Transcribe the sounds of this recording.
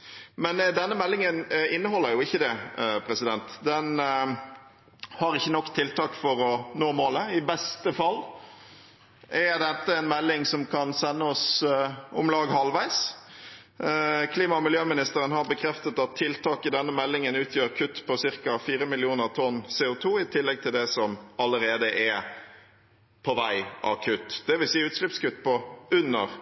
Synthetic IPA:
mɛnd̪ɛnːəmɛlːɪŋənɪnːəɦɔlːəɾjʊɪçːəd̪ɛpʰɾɛsɪd̪ɛnt̪d̪ɛn | hɑɾɪçːənɔkːt̪ʰɪlt̪ɑːkfɔɾɔnoːmoːləɪbɛst̪əfɑlː | ɛd̪ɛt̪ːəɛnmɛlːɪŋsɔmkʰɑnsɛnːəɔs | ʊmlɑːɡhɑlʋæɪs | kʰliːmɑmɪljøːmɪnɪst̪əɾənɦɑɾbəkʰɾɛft̪ət̪ɑt̪ʰːɪlt̪ʰɑːkɪd̪ɛnːəmɛlːɪŋənʉːt̪ʰjøːɾkʰʉt̪ːpʰɔsɪɾkɑfiːɾəmɪlɪuːnəʁt̪ʰɔnseːʊt̪ʰuːɪt̪ʰɪlːɛɡ̚t̪ʰɪld̪ɛsɔmɑləɾeːd̪əʔɛ | pʰɔʋæɪʔɑ̰kʰʉt̪ːd̪̥ɛʋɪsiːʉːt̪ʂlɪpskʉt̪ːpʰɔʉnːəʁ

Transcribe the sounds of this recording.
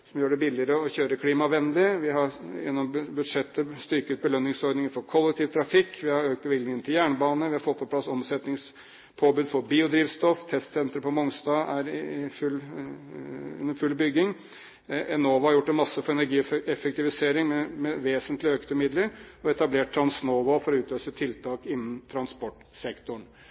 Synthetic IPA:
sɔmjøːɖɛbɪlɪəɾəɔɕøːɾəkʰliːmɑʋɛnːlɪʋɪɦɑjɛ̰nːɔmbʉd̪ʂɛt̪ːəst̪ʏɾkət̪̚bəlœːnːɪŋsɔɾɖ̪nɪŋəɾfɔɾkʰɔlːɛk̚t̪ʰiːʋt̪ʰɾɑfɪkːʋɪhɑɾøːkt̪̚bəʋɪɡlnɪŋənt̪ʰɪljæːɳəbɑːnəʋɪhɑɾfɔt̪̚ːpʰɔpʰlɑsɔmsɛt̪nɪŋs | pʰoːbʉːd̪fɔɾbiːʊd̪ɾiːʋst̪ɔft̪ʰɛst̪sɛnt̪ɾəpʰɔmɔŋst̪ɑːæɾɪfʉl | nːəfʉlːbʏɡɪŋ | ɛnoːʋɑhɑɾjʊʈːɛnmɑsːəfɔɾɛnæɾɡiːɛfɛk̚t̪ɪʋɪseːɾɪŋmɛmɛʋeːsənt̪lɪøːkt̪ʉmɪd̪ləɾɔɛt̪ɑbleːʈ̚t̪ʰːɾɑnsnoːʋɑːfɔɾɔʉːt̪løːsət̪ʰɪlt̪ʰɑːkɪnːn̩t̪ʰɾɑnspɔʈː | sɛkt̪ʊɳ

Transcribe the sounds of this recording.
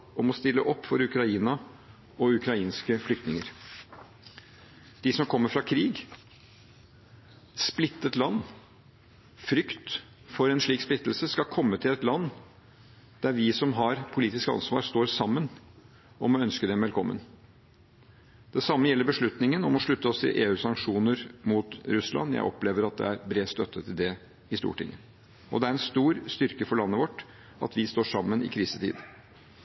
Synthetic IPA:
ɔmɔst̪ɪlːəʔɔpːfɔɾʉkɾɑiːnɑ | ɔʉkɾɑiːnskəflʏkt̪nɪŋəɾ | d̪̥ɪsɔmkʰɔmːəfɾɑkʰɾiːɡ | splɪt̪ːət̪lɑnː | fɾʏkt̪ | fɔɾɛnʂɭiːksplɪt̪ːl̩səskɑkʰɔmːət̪ʰɪlɛt̪lɑnː | d̪̥æɾʋɪsɔmɦɑɾpʰʊliːt̪ɪskɑ̰nsʋɑ̰ːɾst̪oːɾsɑmːən | ɔmɔœnskəd̪ɛmʋɛlkʰɔmːə̰n | d̪̥ɛsɑmːəjɛlːəɾbəʂɭʉt̪nɪŋənɔmɔʂɭʉt̪ːəɔst̪ʰɪ̰ʔeːʉːsɑŋkʂuːnəɾmuːt̪ɾʉslɑ̰njæ̰ɪʔɔpleːʋəɾɑt̪̚d̪ɛ̰æɾbɾeːst̪œt̪ʰːət̪ʰɪld̪ɛ | ɪst̪ṵːʈɪ̰ŋːə | ʔɔ̰d̪ɛæɾɛnst̪uːɾst̪ʏɾkəfɔɭɑnːəʋɔʈː | ɑ̰t̪ʰʋɪst̪oːʂɑmːənɪ̰kʰɾiːsət̪ʰḭːd̪

